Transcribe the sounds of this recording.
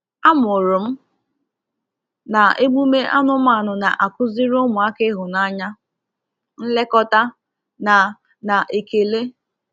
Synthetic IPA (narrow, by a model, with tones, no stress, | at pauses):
a˦mʊ˨ɾʊ˨m̩˦ | na˨e˦ɡ͡bu˦me˦ʔa˦nʊ˦ma˦˨nʊ˨na˨ʔa˨kʊ˦zi˦ɾo˦mʊ˨a˦kɪ˦ɦʊ˨na˦˨ɲa˦ | n̩˦le˦kɔ˦ta˦ | na˨ | na˨ʔe˨ke˨le˦